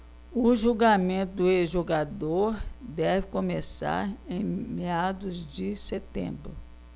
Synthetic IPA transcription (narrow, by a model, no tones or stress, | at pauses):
ʊʒuɡamẽnt̪ʊd̪ʊezʒoɡad̪oɾd̪ɛvɪkõmesa̰ɾẽj̃mead̪ʊzd͡ʒɪset̪ḛ̃bɾʊ